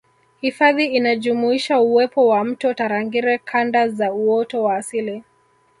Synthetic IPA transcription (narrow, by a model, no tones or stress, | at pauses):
hifaðiinaʄumuiʃauwɛpɔwam̩tɔtaɾaŋɡiɾɛkʰandazauɔtɔwaːsili